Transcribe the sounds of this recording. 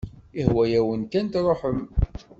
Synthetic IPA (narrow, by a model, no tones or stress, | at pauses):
ihwæjæwənkænt̪ɾˤoħəm